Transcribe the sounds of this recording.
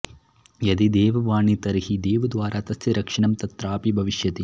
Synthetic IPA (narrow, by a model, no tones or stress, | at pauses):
jɐd̪id̪eːʋɐʋaːɳit̪ɐɾihid̪eːʋud̪ʋaːɾat̪ɐsjiɾɐkʂiɳɐmt̪ɐt̪ɾaːpibʱɐʋiʃjɐt̪i